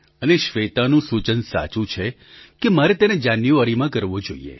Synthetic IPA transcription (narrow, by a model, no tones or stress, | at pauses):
əneʃʋet̪anũsut͡ʃənsa̰t͡ʃũt͡ʃʰe | kemaɾet̪ened͡ʒanjuʋaɾimãkəɾʋod͡ʒoḭḛ